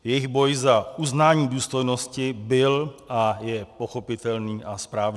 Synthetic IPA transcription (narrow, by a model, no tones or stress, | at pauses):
jɛjiɣbɔjzauznaːɲiːd̪uːst̪ɔjnɔscibɪlajɛpɔxɔpit̪ɛlniːʔaspɾaːʋ